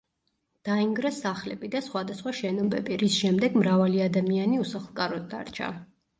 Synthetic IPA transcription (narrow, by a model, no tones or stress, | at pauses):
d̪̥aiŋɡɾɛsaχlɛbid̪asχwad̪asχwaʃɛnɔbɛ̰biɾisʃɛmd̪ɛɡmɾavaliad̪amianiusaχlˠkʼaɾɔd̪̚d̪a̰ɾt͡ʃʰa̰